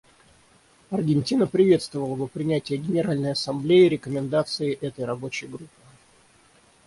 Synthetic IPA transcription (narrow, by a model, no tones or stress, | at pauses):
ɐrɡʲɪnʲtʲinəpɾʲɪvʲe̞t̪st̪vəvəlˠəvəpɾʲɪnʲætʲɪjəɡʲɪnʲɪɾalʲnəjɐsɐmblʲejɪɾʲɪkəmʲɪnd̪at̪sɨɪʔɛt̪əjɾɐbo̞t͡ɕɪjɡɾupʰːɨ